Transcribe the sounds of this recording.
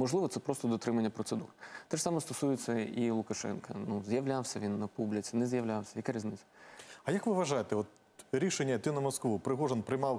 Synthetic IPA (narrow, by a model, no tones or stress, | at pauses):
mɔʐlˠɪʋɔt̪sɛpɾɔst̪ɔd̪ɔt̪ɾɪmɐnʲːɐpɾɔt̪sɨd̪urt̪ɛʂsɑmɔst̪ɔsujɪt͡sʲːɐilˠʊkɐʃɛ̰nkɐnuzʲjɐwlʲawsʲɐʋʲinːɐpublʲɪt͡sʲinɛzʲjɐʋlʲawsʲɐjɐkaɾʲizʲnɪt̪sʲɐ̥ɐjɐkʋɪʋɐʒajet̪ɛɔt̪̚ | ɾʲiʃenʲːɐt̪ɪnɐmɔskʋupɾɪɦɔʐɛnpɾɪjmɑw